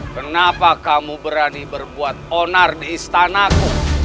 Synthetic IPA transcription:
kənapakamubəɾanibərbuat̪̚onardiːst̪anaku

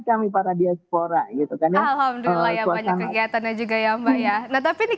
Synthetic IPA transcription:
kamipaɾadiaspoɾaɡit̪ukanjaalhamd̪uilːajaabaɲaakːəkiat̪anad͡ʒuɡajaŋbajanaht̪apini

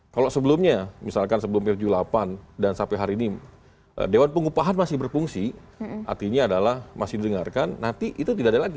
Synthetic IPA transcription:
kalosəbəlʊmɲamisalkansəbəlʊmpt̪d͡ʒulapandansampɛɦaɾiːni | ʔə̰dewanpəŋupaɦanmasɪhbərfuŋsiʔa̰rt̪iɲaːdalahmasɪhdidəŋarkanːant̪iʔit̪ut̪idadalaɡi

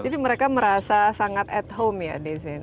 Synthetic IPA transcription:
d͡ʒadiməɾekaməɾasasaŋat̪ɛt̪ɦomja̰dizɪn

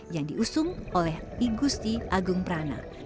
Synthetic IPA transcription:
jaŋdiʔusʊŋolɛh | iɡust̪iʔaɡʊŋpəɾana̰

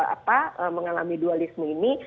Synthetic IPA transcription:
a̰paəməŋala̰midualisməini

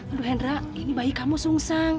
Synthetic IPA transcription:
aduɦɛnra | inibaikamusuŋsaŋ

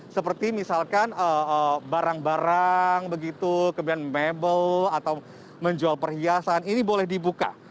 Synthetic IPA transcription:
səpərt̪imisalkanəəbaɾaŋbaɾaŋbəɡit̪ukəmianmebəlat̪aw | məɲd͡ʒualpərhiasaninibolɛhdibuka̰

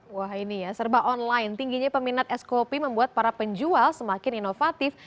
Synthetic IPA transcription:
wahinijasərbaʔɔnlaɪnt̪iŋɡiɲapəminat̪̚ɛskopiməmbuat̪̚paɾapəɲd͡ʒualsəmakɪninofat̪ɪf

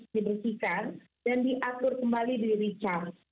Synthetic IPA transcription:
dibərsikar | dandiʔakʊrkəmbalidiɾit͡ʃar̚

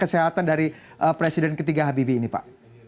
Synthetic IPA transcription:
kəseɦat̪andaɾi | ʔəpɾesidɛnkət̪iɡaɦabibiːnipa̰ʔ

